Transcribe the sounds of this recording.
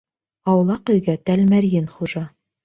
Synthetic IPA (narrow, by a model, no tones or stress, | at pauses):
ɑwlˠɑqɵ̆jɡæt̪ælmæɾjɘnχuʒɑ